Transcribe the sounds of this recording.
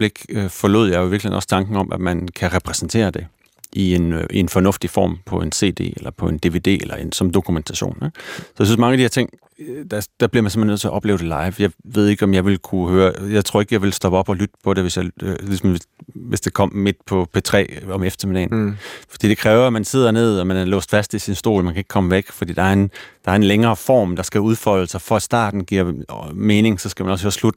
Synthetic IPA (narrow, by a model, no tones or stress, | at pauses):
b̥leɡ̥øfɒ̽loð̞̰ˠjɑ̈ɪoiʋiɐ̥lihe̝nɒ̽st͡sʰɑ̈ŋɡ̥n̩ɒ̽mʔæ̥mænkʰæʁɛpʰʁɛsn̩t͡sʰe̝̰ːɐd̥e̝ | ʔienʔie̝nfɒnɔ̽fd̥ifɒ̰ːmpʰɒ̽e̝nse̝̰ːd̥e̝̰ːelɐpʰɒ̽e̝nd̥e̝ʋe̝d̥e̝̰ːelʔɐe̝nsɒ̽m̩d̥o̝kʰument͡sʰæɕo̰ːne̥sɒ̽jɪsyn̩smɑŋəædihæɐt͡sʰe̝ŋ̰ | d̥æd̥æb̥liɐmænsemenðˠt͡sʰeɐʔɒ̽b̥lḛʊd̥e̝lɑ̈ɪʋjɑ̈ɪʋe̝ð̞̰ˠeɡ̥ɒ̽mjɑ̈ɪʋe̝lkʰuhøːɐjɑ̈ɪt͡sʰo̝ɐe̝ɡ̥əjɑ̈ɪʋe̝lsd̥ɒ̽b̥əɒ̽b̥ɒ̽lyd̥əpʰɒ̽ɾe̝ʋe̝sjɑ̈ɪlisɒmʋe̝sd̥e̝kʰɒ̽m̰me̝d̥̚pʰɒ̽pʰet͡sʰʁɛ̰ːɒ̽mefd̥ɐmedenfd̥ḭːd̥e̝kʰʁɛːʊɐæmænse̝ð̰ˠɐne̝ð̞̰ˠɒmænælɔ̰ːsd̥fæsd̥isinsd̥o̝̰ːlmænkʰæe̝ɡ̥kʰɒ̽məʋeɡ̥fɒ̽d̥ḭːd̥ɑ̈æɐe̝nd̥ɑ̈æɐe̝nleŋɐːfɒ̰ːmd̥ɑ̈sɡ̥æuðˠfɒ̽ɪ̰l̩sɑfɒæ̥sd̥ɑ̰̈ːd̥n̩ɡ̥iɐ̰me̝ːne̝ŋsɒ̽sɡ̥æmænɒ̽shøːɐslud̥